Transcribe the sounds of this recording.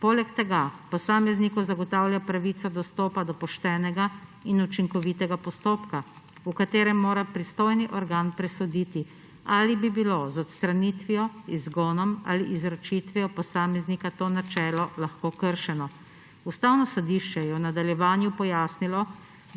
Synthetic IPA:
poːlɛkt̪ɛɡapɔsaːmɛznikɔzaɡɔt̪aːwljapɾaʋit̪sad̪ɔst̪oːpad̪ɔpɔʃt̪ɛːnɛɡainut͡ʃiŋkɔʋit̪ɛɡapɔst̪oːpka | ukat̪eːɾɛmːoːɾapɾist̪oːjniʔɔɾɡaːnpɾɛsɔd̪iːt̪i | aːlibibiloːzɔt̪st̪ɾaniːt̪ʋijɔizɡɔːnɔma̰liʔizɾɔt͡ʃit̪ʋiɔpɔsaːmɛznikat̪oːnat͡ʃɛːlɔlaxkoːkəɾʃɛnɔ | ust̪aːwnɔsɔd̪iʃt͡ʃɛjɛwnad̪aljɛʋaːnjupɔjaːsnilɔ

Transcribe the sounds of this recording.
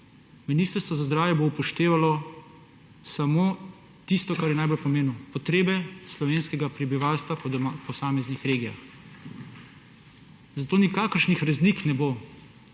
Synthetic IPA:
miniːst̪əɾst̪ʋɔzazd̪ɾaːwjɛboupɔʃt̪eːʋalɔ | samoː | t̪ist̪ɔkaɾjɛnajbolpɔmeːnupɔt̪ɾeːbɛslɔʋeːnskɛɡapɾɛbiʋaːlst̪ʋapɔpɔsaːmɛznixɾeːɡija̰x | zat̪oːnikaːkəɾʃnixɾɛzliknɛbo

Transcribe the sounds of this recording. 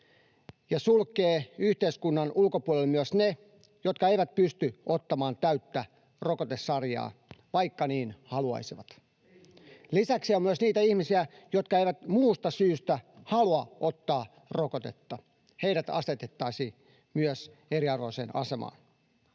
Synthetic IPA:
jɑsulkːˑeːyht̪eiskunːɑnʔulkopuɔlelmyøsne | jot̪kɑeiʋæt̪̚pyst̪yʔot̪ːɑmɑːnt̪æyt̪ːæ | rokot̪esːɑrjɑ̰ːʋɑjkːɑniːnhɑluɑ̰jsiʋɑt̪ | lisæksiomyøsniːt̪æihmisiæ | jot̪kɑeiʋæt̪muːst̪ɑsyːst̪æhɑluɑʔot̪ːɑː | rokot̪e̞̰t̪ːɑ | heiɾæt̪ɑ̰st̪et̪et̪ːɑisiː | myøseɾiɑrʋoiseːnɑ̰se̞mɑ̰ːn

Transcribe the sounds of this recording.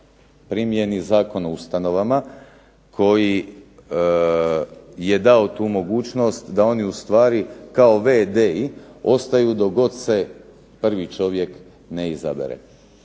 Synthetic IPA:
pɾimijenizaːko̞noust̪ano̞ʋama | kʰo̞ji | je̞d̪ao̞t̪uːmo̞ɡuːt͡ʃno̞ːst̪d̪ao̞niust̪ʋaːɾikao̞ʋed̪eio̞st̪ajud̪o̞ɡo̞t̪se̞ | pr̩ʋit͡ʃo̞ʋje̞k | neiza̰bḛɾḛ

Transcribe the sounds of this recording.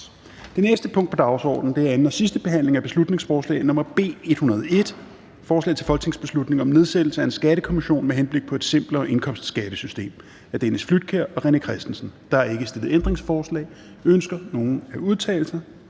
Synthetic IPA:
d̥e̝nesd̥əpʰɔ̽ŋ̰d̥pʰɒ̽d̥ɑ̈ʊsɒ̰ːd̥n̩d̥e̝æɐen̩ɒ̽sisd̥əb̥e̝ɦæn̰le̝ŋæb̥e̝slud̥ne̝ŋsfɒːslɛ̰ɪnɒ̽mɐb̥e̝̰ːe̝d̥hunɐð̞ˠɒe̝d̥ | fɒːslɛ̰ɪt͡sʰe̝lfɒ̽lɡ̥ət͡sʰe̝ŋsb̥e̝slud̥ne̝ŋɒ̽mne̝ð̞ˠsed̥l̩səæensɡ̥æɾ̥əkʰo̝miɕo̝̰ːnmeɦenb̥le̝ɡ̥̚pʰɒ̽e̝d̥sem̰b̥lɐʔe̝nkʰɒ̽m̰sd̥sɡ̥æɾ̥əsysd̥e̝̰ːm | æɐd̥enəsflyd̥̚kʰeɐ̰ɒ̽ʁɛnəkʰʁɛsd̥n̩sn̩d̥ɑ̈hɑe̝ɡ̥əsd̥e̝lð̩ˠend̥ʁeŋsfɒːslɛ̰ːɪ | ønsɡ̥ɐno̝ːn̩æuðˠt͡sʰɛ̰ːl̩sɐ

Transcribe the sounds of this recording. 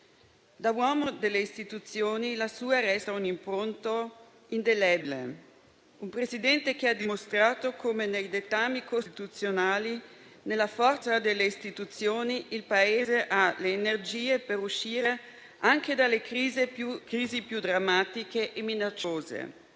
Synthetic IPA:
d̪awɔːmod̪elːeist̪it̪ut̪sjoːnilasuːaɾɛst̪aunimpɾont̪o | ind̪elɛblḛ | umpɾezid̪ɛnt̪ekead̪imost̪ɾaːt̪okʰomenejd̪et̪amːikosit̪ut̪sjonaːlinelːafɔrt̪sad̪elːeist̪it̪ut̪sjoːniʔilpaeːzeʔaleːnerd͡ʒiːepeɾuʃiːɾe | aŋk̟ed̪alːekizekɾiːzipjud̪ɾamːaːt̪ikeʔeminat͡ʃːoːzḛ

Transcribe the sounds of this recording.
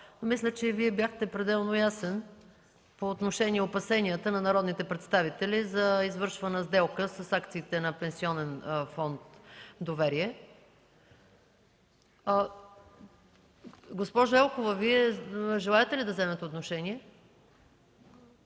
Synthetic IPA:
nomislʲət͡ʃɛviɛbjaxt̪ɛpɾɛd̪ɛlˠnojasɛn | poːt̪noʃɛnʲiɛopɐsɛniət̪ənɐnɐɾɔd̪nit̪ɛpɾɛt̪st̪avit̪ɛlizɐizvɤɾʃvɐnəzd̪ɛlˠkəsəsakt̪siːt̪ɛnɐpɛ̃nsiɔnɛnfɔnt̪d̪ovɛɾiɛ | ɡospɔʒɐɛlˠkovəviɛʒɛlˠaɛt̪ɛlid̪ɐzɛmɛt̪ɛot̪noʃɛniɛ

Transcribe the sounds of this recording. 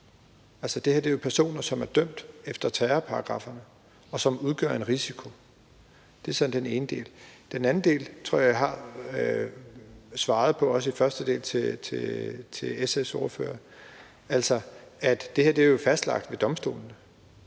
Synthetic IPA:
æl̰sɒd̥e̝hḛɐ̰d̥e̝ɐjopʰæɐso̝̰ːnɐsɒ̽mæɐd̥œm̰d̥efd̥ɐt͡sʰæːɐpʰɑ̈ɑ̈ɡ̥ʁɑ̰̈fɐnə | ɒ̽sɒ̽muð̞ˠɡ̥ɶ̰ɐe̝nʁisikʰo̝ | d̥e̝æsɒ̽n̩d̥ene̝ːnəd̥e̝̰ːld̥enæn̩d̥e̝̰ːlt͡sʰʁo̝ɐ̰jɑ̈ɪɦɑ̈ | sʋɑ̈ːð̞ˠpʰɒ̽ɒ̽s̬əifɶɐsd̥əd̥e̝̰ːlt͡sʰe̝t͡sʰe̝t͡sʰe̝esesɔ̝ːɐfø̰ːɐ | æl̰sɒæd̥d̥e̝heɐ̰d̥eɐjo̝fæsd̥lɑ̈ɡ̥d̥ʋe̝d̥ɒ̽msd̥o̝̰ːln̩ə

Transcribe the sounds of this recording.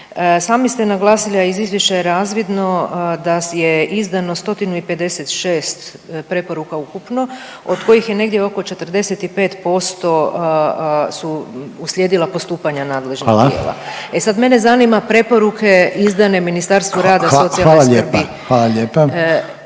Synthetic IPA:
saːmist̪enaɡlˠaːsilaizizʋjeʃt͡ʃajeɾaːzʋid̪no̞d̪ajeizd̪ano̞st̪o̞t̪inuipe̞d̪eset̪ʃe̞ːst̪ | pɾe̞po̞ɾukaukupno̞ | od̪ko̞jixje̞ne̞ɡd̪jeoko̞t͡ʃe̞t̪ər̩d̪e̞set̪ipe̞ːt̪po̞st̪o̞ | suuslʲjeːd̪ilˠapo̞st̪uːpaɲanaːd̪le̞ʒnijḛlˠa̰esad̪me̞ne̞zanimapɾe̞po̞ɾukʰe̞izd̪ane̞minist̪aɾst̪ʋuɾaːd̪asso̞t̪siaalːɾbixʋalaʎeːpa

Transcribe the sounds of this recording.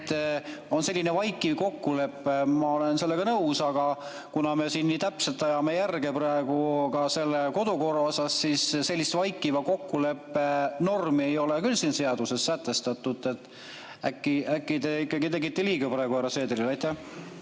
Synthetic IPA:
t̪ːˑo̞nse̞lʲːinevɑjkːˑiko̞kːule̞pːemɑo̞lense̞lːe̞ɡ̥ɑnɤusɑɡ̥ɑ | kunɑme̞siːnːiːt̪æpse̞lt̪ːˑɑjɑme̞jærɡe̞prɑeɡ̥ukɑse̞lːeko̞d̪̥uko̞rɑosɑsːiːsse̞lʲːist̪vɑjkːˑivɑko̞kːule̞pːe̞no̞rmiejo̞lekylsiːnse̞ɑd̪use̞sːæt̪ːˑe̞st̪ɑt̪ːˑud̪ˑe̞t̪ːˑ | ækːiækːit̪eikːˑɑɡit̪e̞ɡit̪ːeliːɡɑpɾɑeɡ̥uæɾɑse̞ːd̪eɾilɑjt̪ːæh

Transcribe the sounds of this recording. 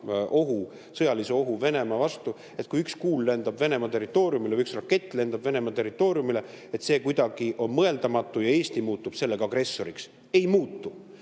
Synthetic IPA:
ʔo̞ɦu | sɤ̞jɑliseo̞ɦuve̞ne̞mɑvɑst̪u | e̞t̪̚kujykskuːlːe̞nd̪ɑbve̞ne̞mɑt̪e̞rːit̪ːˑo̞ːɾjumileyksrɑkːe̞t̪ːˑle̞nd̪ɑb̥ve̞ne̞mɑt̪e̞rːit̪ːˑo̞ːɾjumile̞ | et̪se̞ːkujd̪̥ɑɡ̥iʔo̞nmɤe̞ld̪̥ɑmɑt̪ːˑujɑe̞ːst̪imuːt̪ːˑub̥se̞lːeɡɑɡre̞sːo̞ɾiks | e̞jmuːt̪ˑːu

